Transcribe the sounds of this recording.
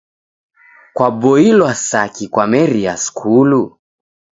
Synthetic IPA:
kwabɔilwasakikwamɛɾiaskʰulu

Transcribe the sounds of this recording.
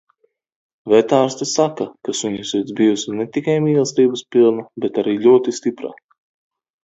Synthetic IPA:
vʲɛt̪aːɾst̪isakakasuɲusit̪zbijusnɛt̪ikajmiːlˠst̪ʲiːbəspilˠnabɛt̪aɾiːlʲuɔt̪ist̪ipɾa̰

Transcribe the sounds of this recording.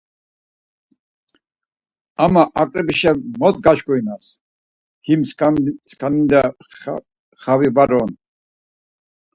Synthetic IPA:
amaʔakʼɾɛbiʃɛmɔt̪ɡaʃkʼɔinas | ɡ̥imsskʰanid̪a | χavivaɾɔn

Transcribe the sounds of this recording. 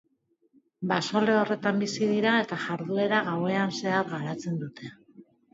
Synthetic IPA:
baso̞le̞o̞re̞t̪ambisiðiɾae̞t̪aʝaɾðue̞ɾaɣawe̞anse̞aɾɣaɾat͡se̞nd̪ut̪ʰe̞

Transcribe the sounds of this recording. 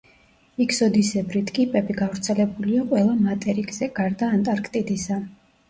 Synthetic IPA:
ikʰsɔd̪isɛbɾit̪ʰkʼipʼɛbiɡavɾt̪sʰɛlɛbuliaqʼwɛlˠamat̪ʼɛɾiɡzɛɡ̥aɾd̪aːnt̪ʼaɾkʰʼt̪ʼid̪isa

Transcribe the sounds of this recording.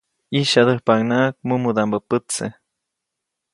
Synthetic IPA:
iʃad̪əhpaŋnak̚mumud̪ambəpət͡se

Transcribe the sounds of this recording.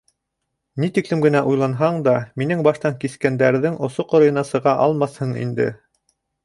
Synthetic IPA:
nit̪iklɘmɡɘ̆næʔujlˠɑnɦɑɴd̪ɑminɘŋbɑʃt̪ɑŋkiskænd̪æɾðɘŋŏsoqŏɾɤ̆jɤ̆nɑsɤ̆ʁɑʔɑlˠmɑshɤɴḭnd̪ɘ̰

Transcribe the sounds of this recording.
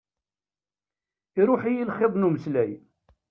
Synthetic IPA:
iɾʊħijilχɪðˤnuməslæj

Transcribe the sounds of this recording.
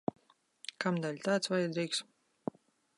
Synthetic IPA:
kamd̪alʲt̪aːt̪svajad̪ɾiːks

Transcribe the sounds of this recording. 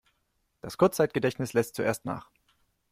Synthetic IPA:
d̥askʰʊɐt͡st͡saɪt̚ɡ̥ədɛçtnɪslɛstt͡suʔeːstna̰ːχ

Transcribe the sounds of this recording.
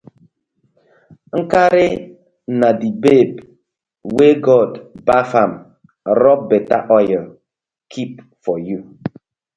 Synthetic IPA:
ŋ̩kaɾe | nadibeb | weɡɔdbafam | ɾɔp̚bɛta̰ʔɔjə | kʰip̚ | fɔju

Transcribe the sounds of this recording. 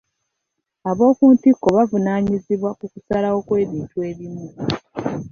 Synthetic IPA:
aβo̞ːkuːntikːo̞βavunaːɲiziβwakuku̥salawo̞kwe̞ːβiːntue̞ːβimu

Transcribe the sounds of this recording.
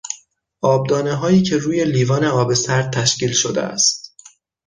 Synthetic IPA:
ʔɒːb̚d̪ɒːneɦɒːiːcʰe̞ɾuːje̞liːvɒːneɒːbe̞sæɾd̪̚t̪ʰæʃciːlʃod̪ḛæ̰st̪

